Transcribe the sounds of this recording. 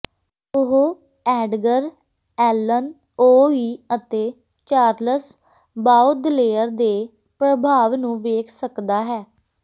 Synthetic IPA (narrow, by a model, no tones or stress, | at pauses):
ʊɦo | ɛːɖɡəɾ | ɛːlən | oːiːət̪eː | t͡ʃaːɾləs | baːud̪ɪleːəɾd̪eː | pɾəbʱaːʋnũːʋeːkʰsəkd̪aːɦɛː